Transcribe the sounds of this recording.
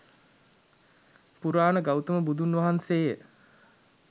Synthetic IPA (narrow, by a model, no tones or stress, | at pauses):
puɾaːnəɡawt̪əməbud̪unʋaɦanseːjə